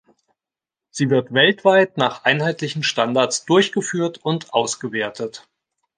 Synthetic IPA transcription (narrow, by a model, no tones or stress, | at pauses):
z̥iːvɪɐtv̥ɛltv̥aɪtnaːχʔaɪnhaɪtlɪçn̩ʃtandaɐt͡sd̥ʊɐçɡ̥əfyːɐtʊntʔaʊsɡ̥əveːɐtʰət